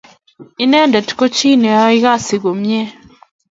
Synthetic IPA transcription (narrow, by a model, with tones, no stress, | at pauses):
i˦nɛ˦ndɛ˨tu̥˨ko˦t͡ʃiː˦ne˨ja˦i˦ɣa˦si˨ɣo˨mje˦